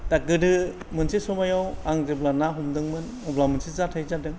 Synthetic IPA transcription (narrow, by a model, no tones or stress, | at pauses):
takɯdɯ | mɯnsisɔmajawaŋzeblanaɦumdɯŋmɯn | ɔblamɯnsʰizatʰajzadɯŋ